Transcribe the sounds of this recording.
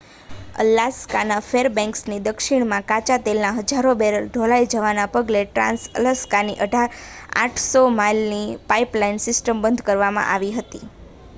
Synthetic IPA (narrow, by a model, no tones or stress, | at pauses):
ə̰laskanafeɾbɛ̃ŋksnid̪əkʃiɽ̃mãkat͡ʃat̪elnaɦəd͡ʒaɾobeɾəlɖʱolaid͡ʒəʋanapəɡleʈɾã̰nsə̰ləskaniʔəɖʱaɾa̰ʈʰsomajlnipaiplainsɪsʈəmbənd̪ʱkəɾʋamã̰ʔaʋiɦət̪i